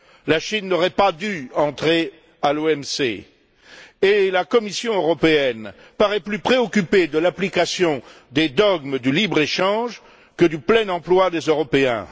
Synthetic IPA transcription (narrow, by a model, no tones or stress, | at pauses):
laʃinːɔʁɛpad̪yɑ̃t̪χe | aloɛmsḛ | elakɔmisjɔ̃øʁɔpeɛn | paʁɛplypχeɔkʲyped̪əlaplikasjɔ̃ | d̪ed̪ɔɡməd̪ylibʁeʃɑ̃ʒ | kəd̪yplɛnɑ̃plwad̪ezøʁɔpeɛ̰̃